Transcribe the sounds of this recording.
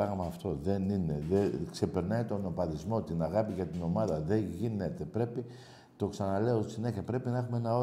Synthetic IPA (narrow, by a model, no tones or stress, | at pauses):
ɐɣmɐːft̪o̞ðe̞nine̞ðekse̞pe̞ɾnɐit̪o̞no̞pɐðizmo̞t̪inɐɣɐpiʝɐt̪ino̞mɐðɐðe̞ʝine̞t̪e̞pɾe̞pi | t̪o̞ksɐnɐle̞ost̪isine̞çiɐpɾe̞pinɐexumeenɐo